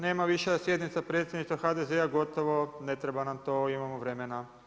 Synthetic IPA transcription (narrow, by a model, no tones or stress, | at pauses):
neːmaʋiʃejasjed̪nit̪sapɾe̞t̪sʲjed̪niʃt̪ʋaxad̪ezeaɡo̞t̪oʋonet̪ɾebanamt̪oimamoʋɾemena